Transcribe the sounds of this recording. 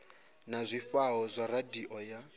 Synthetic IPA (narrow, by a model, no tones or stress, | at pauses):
nazʷifaɦɔzʷaradiʔɔja